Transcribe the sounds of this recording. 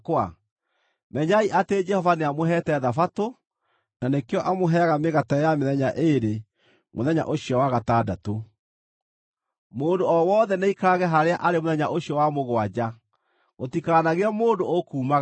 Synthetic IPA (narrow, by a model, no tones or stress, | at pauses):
kwa | mɛɲaiʔated͡ʒɛhɔvaneamoɦɛtɛðafato | nanekeɔʔamoɦɛɣameɣatajameðɛɲaʔeɾe | moðɛɲa̰ʔoɕijɔwaɣatadato | moːndoɔwɔːðɛneikaaɣɛɦaɾeaʔaɾemoðɛɲaʔoɕjɔwamoɣwad͡ʑa | ɣotikaɣnaɣeamoːndookuːmaɣ